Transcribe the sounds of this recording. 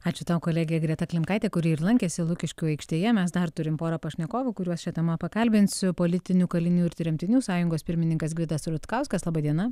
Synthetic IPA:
ɑːt͡ʃʲʊt̪ɑːwkoːlʲæːɡʲejɛɡɾʲiɛt̪ɐklʲɪmkɐɪt̪ʲɛːkʊɾʲiːɪrlˠɐŋʲkʲɛːsʲɪlˠʊkʲɪʃʲkʲʊɐɪkʃʲt̪ʲiːjɛmʲɛsd̪ɐrt̪ʊɾʲɪmpoːɾɐpɐʃʲnʲɛkoːʋukʊɾʲuɔsʃʲɛt̪ʲɛmɐpɐkɐlʲbʲɪnʲsʲʊpoːlʲɪt̪ʲɪnʲuːkɐlʲɪnʲuːɪɾt̪ʲɾʲɛmʲt̪ʲɪnʲuːsɑːjʊŋɡoːspʲɪɾʲmʲɪnʲɪŋkɐs̬ɡʲɾʲɪd̪ɐsɾʊt̪kɐʊskɐslˠɑːbɐd̪ʲiɛnɐ

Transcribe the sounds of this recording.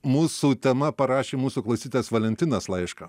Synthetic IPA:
muːsuːt̪ʲɛmɐpɐɾɑːʃʲeːmuːsuːklˠɐʊsʲiːt̪ʲːsʋɐlʲɛnʲt̪ʲɪnɐslˠɐɪʃkɐ

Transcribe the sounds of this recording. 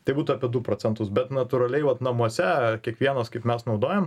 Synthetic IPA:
t̪ɐɪbuːt̪uɐpʲiɛd̪ʊpɾoːt͡sʲɛnt̪ʊsbʲɛt̪nɐt̪uɾɐlʲɛɪʋɐt̪nɐmuɔsʲɛkʲiɛkʋʲiɛnɐskɐɪpmʲɛsnɐʊd̪oːjɛm

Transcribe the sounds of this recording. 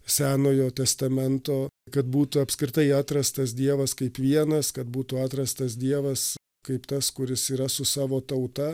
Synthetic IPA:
sʲæːnoːjoːt̪ʲɛst̪ɐmʲɛnt̪oːkɐt̪buːt̪ʊɐpʲskɾʲɪt̪ɐɪɑːt̪ɾɐst̪ɐs̬d̪ʲiɛʋɐskɐɪpʋʲiɛnɐskɐt̪̚buːt̪ʊɑːt̪ɾɐst̪ɐs̬d̪ʲiɛʋɐs | kɐɪpt̪ɐskʊɾʲɪsiːɾɐsʊsɑːʋoːt̪ɐʊt̪ɐ

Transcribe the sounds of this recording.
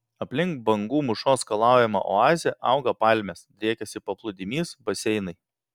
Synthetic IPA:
ɐpʲlʲɪŋkbɐŋɡuːmʊʃoːskɐlˠɑˑʊjɛmɐ̰ʔɔ̰ɑːzʲɛʔɑ̰ˑʊɡɐpɑˑlʲmʲesd̪ʲɾʲiːkʲɛsʲɪpɐplˠʊd̪ʲɪmʲiːsbɐsʲɛɪnɐɪ

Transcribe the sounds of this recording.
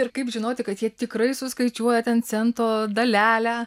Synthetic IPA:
ɪɾkɐɪpʒʲɪnoːt̪ʲɪkɐt̪jiɛt̪ʲɪkɾɐɪsʊskɐɪt͡ʃʲuɔjɛt̪ʲɛnt͡sʲɛnt̪oːd̪ɐlʲæːlʲæː

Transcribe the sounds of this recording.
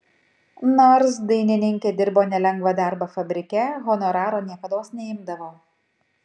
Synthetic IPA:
noːɾs̬d̪ɐɪnʲɪnʲɪŋʲkʲeːd̪ʲɪɾboːnʲɛlʲɛŋɡʋɐd̪ɑˑɾbɐfɐbʲɾʲɪkʲɛɣɔnɔɾɑːɾoːnʲiɛkɐd̪oːsnʲɛɪmd̪ɐʋoː

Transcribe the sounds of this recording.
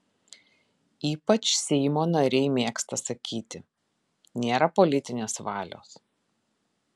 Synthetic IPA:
iːpɐt͡ʃsʲɛɪmoːnɐɾʲɛɪmʲeːkst̪ɐsɐkʲiːt̪ʲɪ | nʲeːɾɐpɔlʲɪt̪ʲɪnʲeːsʋɑːlʲo̰ːs

